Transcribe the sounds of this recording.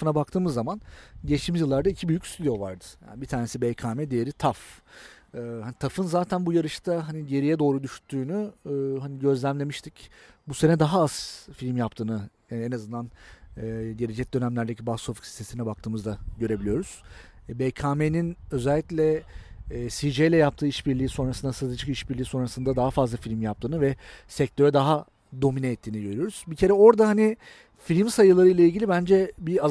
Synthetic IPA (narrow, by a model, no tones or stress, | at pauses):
fɯnabak̚t̪ʰɯːmɯzːamanɟeʃmiʒjɯlˠːaɾd̪aicʰibyjycst̪ʰyd̪ijo̞vaɾd̪ɯ̥ja̰ːnibit̪ʰaːne̞sibɛjkʰaːmɛd̪ejeɾit̪ʰaf | ɯhanit̪ʰafɯnzaːt̪ʰænbujaɾɯʃt̪ʰaɦaniɟe̞ɾijɛd̪o̞ːɾud̪yʃt̪ʰːyːnyːɦaniɟø̞zlʲæmlʲe̞miʃt̪ʰic | buse̞nɛd̪aɦaaz̥filʲmjap̚t̪ʰɯːnɯ | enazɯnd̪anː | ɟe̞ɾed͡ʒɛc̚d̪ø̞næmlʲæɾd̪e̞cʰibast̪ofɯ̥csi̥st̪ʰesinɛbak̚t̪ʰɯːmɯzd̪aɟø̞ɾe̞bilijo̞ɾuz̥ | bekʰaːmeninø̞zɛælʲːicʲlʲɛ | sid͡ʒejlʲɛjap̚t̪ʰɯːiʃbiɾlʲiːso̞nɾasɯnd̪asɯd̪ɯt͡ʃʰɯkiʃbiɾlʲiːso̞nɾasɯnd̪ad̪aɦafazlˠafilʲimjap̚t̪ʰɯːnɯvɛsɛc̚t̪ʰø̞ɾɛd̪aɦa | d̪o̞minɛːt̪ʰːiːniɟø̞ɾyjo̞ɾuz̥bicʰe̞ɾɛo̞ɾd̪aɦani | fiɾʲimsajɯlˠaɾɯjlˠailʲɟilʲibænd͡ʒɛbiaz